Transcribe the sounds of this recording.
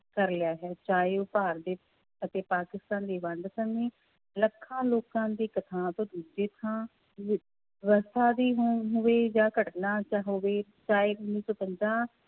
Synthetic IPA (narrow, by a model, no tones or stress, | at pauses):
kəɾlɪjaːɦɛːt͡ʃaːeːʊpaːɾd̪eː | ət̪eːpaːkɪst̪ãːnd̪eːʋə̃ɳɖsəŋẽː | ləkʰːãːloːkãːd̪iːkət̪ʰãːt̪õːd̪uːd͡ʒeːt̪ʰãː | ʋəst̪ʰaːd̪iːɦɦoʋeːd͡ʒãːkəʈnaːt͡ʃaɦoʋeːt͡ʃaːeːʊnːiːsoːpəɲd͡ʒãː